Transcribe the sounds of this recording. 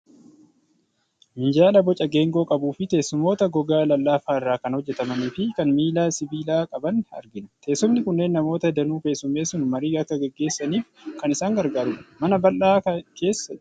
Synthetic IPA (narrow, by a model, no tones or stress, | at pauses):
mɪnd͡ʒaːlɐbɔt͡ʃʼɐɡe̞ːŋɡo̞ːkʼɐbuːfɪt̪e̞ːsʊmo̞ːt̪ɐɡɔɡaːlɐlːaːfaːɪrːaːkɐnhɔd͡ʒːɛt̪ɐmɐniːfɪkɐnmiːlaːsɪbiːlaːkʼɐbɐnɐ̰ɾɡɪnt̪ʰe̞ːsɔmnɪkʊnːe̞ːnːɐmo̞ːt̪ɐd̪ɐnuːfe̞ːsʊmːe̞ːsʊnmɐɾiːɡɐkːɐɡɛɡːe̞ːsːɐniːf | kɐnɪsaːŋɡɐɾɡaːɾʊᶑɐmɐnɐbɐlːaːkɐkʰe̞ːsːɐd͡ʒ